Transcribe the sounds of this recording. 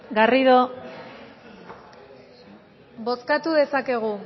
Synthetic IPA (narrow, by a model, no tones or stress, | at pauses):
ɡariðo | bo̞skat̪uðe̞sake̞ɣ̞u